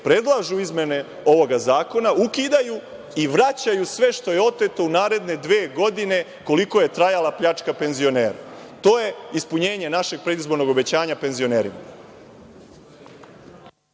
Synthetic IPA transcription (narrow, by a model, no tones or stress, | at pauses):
pɾe̞d̪lˠaʒuizmje̞ne̞ | o̞ʋo̞ɡazaːko̞naukid̪aju | iʋɾat͡ɕajusʋe̞ʃt̪o̞je̞o̞t̪e̞t̪o̞unaːɾe̞d̪ne̞d̪ʋeːɡo̞d̪ine̞ | ko̞liko̞je̞t̪ɾajalapʎat͡ʃkape̞nzio̞ne̞ːɾa̰t̪o̞ːje̞ispuɲe̞ːɲe̞naʃe̞ɡ̚pɾe̞d̪izbo̞ɾno̞ɡo̞be̞t͡ɕaːɲape̞nzio̞ne̞ːɾima̰